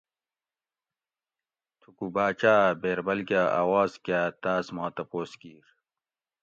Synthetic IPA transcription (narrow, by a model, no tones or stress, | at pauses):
t̪ʰukubaːt͡ɕaːbeːɾbɐlkaːʔa̰ːwaːzkjaːt̪aːsmaːt̪ɐpoːskiːɾ